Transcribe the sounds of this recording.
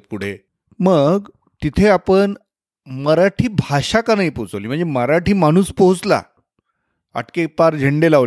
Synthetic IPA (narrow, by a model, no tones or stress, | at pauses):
puɽ̤e | məɡ | t̪it̪ʰeapəɳ | məɾaʈʰiːbʱaɕakanaɦipoɦt͡səliːm̤əɳd͡zeməɾaʈʰiːmaɽ̃uːspoɦut͡sla̰ | a̰ʈkepaɾd͡ʑʱəɳɖelaʋ